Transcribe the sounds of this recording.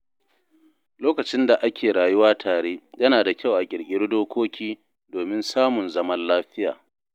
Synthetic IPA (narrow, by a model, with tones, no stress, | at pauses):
loː˦kɐ˨t͡ʃɪ˦nda˨ʔa˦kʲʰeː˨ɽaː˨jʊ˦waː˦tʰaː˨ɽeː˦jɐ˦naː˨da˨kʲa˦˨wʔa˨kʲʼɪ˨ɽkʲʼɪ˦ɽdoː˦kʷoː˦kʲʰiː˦ | doː˨mɪ˦nsaː˦mʊ˨nzɐ˦mɐ˦nlaː˦ɸɪ˦ja̰ː˨